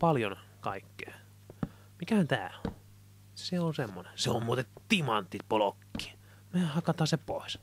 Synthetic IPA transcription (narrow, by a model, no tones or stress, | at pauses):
pɑljon | kɑikːe̥ː | mikæhænt̪æ̰ːo | seolsemːonenseommuːt̪ett̪imɑnt̪ːit̪polokːi̥ː | mehɑkɑt̪ɑːseppo̰is